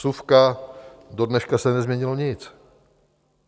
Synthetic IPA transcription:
sufkado̞dnɛʃkasɛnɛzmɲɛɲɪloɲɪt͡s

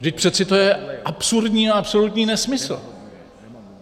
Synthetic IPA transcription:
vdɪc̚pr̥ɛt̪sɪt̪o̞jɛʔapsuɾdɲiːaapso̞lut̪ɲiːnɛsmɪsl̩

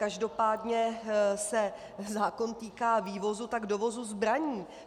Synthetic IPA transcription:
kaʒdo̞paːdɲɛsɛ | zaːko̞nt̪iːkaːviːvo̞zut̪aɡdovo̞zuzbɾaɲiː

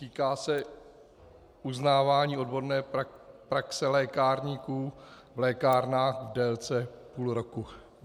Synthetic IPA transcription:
t̪iːkaːsɛ | uznaːvaːɲiːo̞dbo̞ɾnɛːpɾaksɛlɛːkaːɾɲikuː | vlɛːkaːɾnaːxvdɛlt͡sɛpuːlɾoku

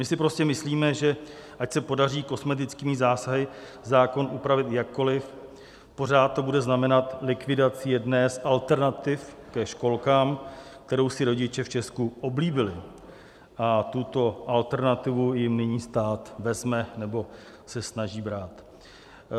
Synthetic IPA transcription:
mɪsɪpɾo̞scɛmɪsliːmɛʒɛʔacsɛpodariːko̞smɛt̪ɪt͡skiːmɪzaːsaɦɪ | zaːko̞nʔupɾavɪt̪jakːo̞lɪf | po̞r̝aːt̪̚tːo̞budɛznamɛnat̪lɪkvɪdat͡sɪjɛdnɛːsʔalt̪ɛɾnat̪ɪfkɛʃko̞lkaːmk̚t̪ɛɾowsɪɾo̞ɟɪt͡ʃɛft͡ʃɛskuʔo̞bliːbɪlɪ | ʔat̪ut̪o̞ʔalt̪ɛɾnat̪ɪvujɪmnɪɲiːst̪aːt̪vɛzmɛnɛbo̞ | sɛsnaʒiːbɾaːt̪

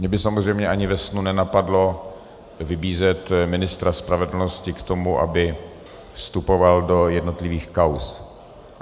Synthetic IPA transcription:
mɲɛbɪsamozrɛjmɲɛʔaɲɪvɛsnunɛnapadlo̞ | vɪbiːzɛt̪mɪnɪst̪ɾaspɾavɛdl̩noscɪkt̪o̞muʔa̰bɪ | fst̪upo̞valdo̞jɛdno̞t̪lɪviːxkaws

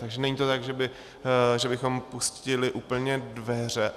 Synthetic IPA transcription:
t̪aɡʒɛnɛɲiːt̪ot̪aɡʒɛbɪ | ʒɛbɪxo̞mpuscɪlɪʔuːpl̩ɲɛdvɛr̝ɛʔ

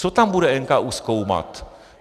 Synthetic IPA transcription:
sot̪ambuɾaʔeŋkaʔuskouma̰t̪

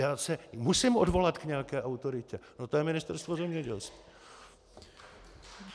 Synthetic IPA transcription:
jaːsɛmusiːmʔodvo̞lat̪kɲɛakɛːʔawt̪o̞ɾɪcɛnot̪ojɛmɪnɪst̪ɛɾst̪vozɛmɲɛɟɛlskvi̥ː

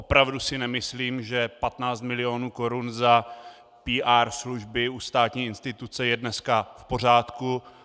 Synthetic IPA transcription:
ʔo̞pɾavdusɪnɛmɪsliːmʒɛpat̪naːt͡st̪̚mɪlɪoːnuːko̞ɾunza | piːʔaːɾsluʒbɪust̪aːt̪ɲiːɪnst̪ɪt̪ut͡sɛjɛdnɛskafpo̞r̝aːt̪ku

